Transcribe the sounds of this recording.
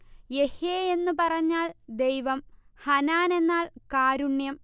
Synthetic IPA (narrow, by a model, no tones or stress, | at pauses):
je̞heːe̞nːupɐrɐɲːaːɭd̪ejʋɐmhɐnaːne̞nːaːɭkaːɾuɳjɐm